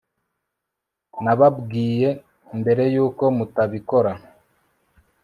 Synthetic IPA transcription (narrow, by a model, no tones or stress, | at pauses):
naβabɡiːje̞ | mbe̞ɾe̞juːko̞mutaβiko̞ɾa